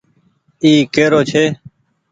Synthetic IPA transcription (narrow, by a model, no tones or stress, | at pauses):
iːkeːɾoːt͡ʃʰeː